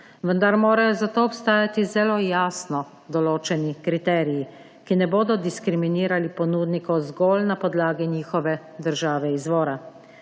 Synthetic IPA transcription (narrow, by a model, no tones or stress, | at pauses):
ʋənd̪aɾmoːɾajɔzat̪oːɔpst̪aːjat̪izɛloːjaːsnɔ | d̪ɔloːt͡ʃɛnikɾit̪ɛːɾiji | kinɛboːd̪ɔd̪iskɾiminiːɾalipɔnuːd̪nikɔzɡɔːlnapɔd̪laːɡiniːxɔʋɛ | d̪əɾʒaːʋɛizʋɔːɾa